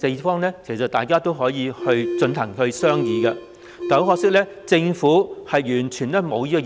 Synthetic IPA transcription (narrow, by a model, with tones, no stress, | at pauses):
t̪e˨fɔː˥ŋnɛː˥kʰe˨˩sɐ˨˩wt̪aː˨jkaː˥t̪o˥wɦɔː˨˥jiː˨˧hɵ˧ɥt͡sɵ˧nt̪ʰɐ˨˩ŋhɵ˧ɥsœː˥ŋjiː˨kɐ˧ | kɐ˨˥wɦɔː˧k̚sɪ˥k̚lɛ˥ | t͡sɪ˧ŋfuː˨˥hɐ˨jjyː˨˩nt͡ʃʰyː˨˩nlɛː˥mo˨˧wjiː˥kɔ˧